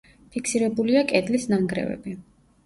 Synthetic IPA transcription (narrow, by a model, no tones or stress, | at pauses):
pʰikʰsiɾɛbuliakʼɛd̪lisnaŋɡɾɛ̰vɛ̰bi